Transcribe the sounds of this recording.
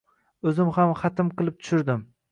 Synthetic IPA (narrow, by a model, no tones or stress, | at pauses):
ɵzɪmhamχɑt̪ʰɪmqɨlˠɪp̚t̪ʰʊ̥ʃʊɾd̪ɪm